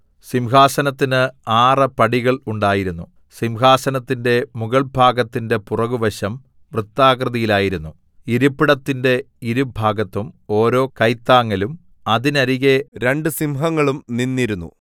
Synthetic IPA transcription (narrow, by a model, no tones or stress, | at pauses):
simɦaːsɐnɐt̪ːinɨaːrɐpɐɽiɣɐɭuɳɖaːjiɾunːu | simɦaːsɐnɐt̪ːinde̞muɣɐɭbʱaːɡɐt̪ːinde̞purɐɣuʋɐɕɐm | ʋrɨt̪ːaːkrɨðijilaːjiɾunːu | iɾupːiɽɐt̪ːinde̞ | iɾubʱaːɡɐt̪ːumo̞ːɾo̞ːkɐjt̪ːaːŋːɐlum | ɐðinɐɾiɣeɾe̞ɳɖɨsimɦɐŋːɐɭumninːiɾunːṵ